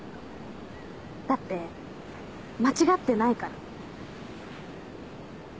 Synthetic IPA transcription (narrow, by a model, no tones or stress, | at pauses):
d̪̥at̪ːe̞ | mat͡ɕiɡat̪ːe̞naikaɾa